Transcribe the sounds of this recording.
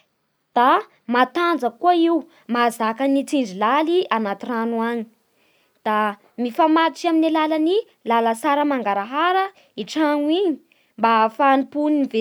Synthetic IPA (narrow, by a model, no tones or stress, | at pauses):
d̪̥a | mat̪and͡zəkuaiw | mazakənit͡siɳd͡ʒilalianat̪iranuaɲi̥ | d̪̥a | mifamat̪it͡ʃjaminilalani | laləsaɾəmaŋɡaɾaɦaɾə | iʈ͡ʂaŋwiɲi̥ | mbafanipunive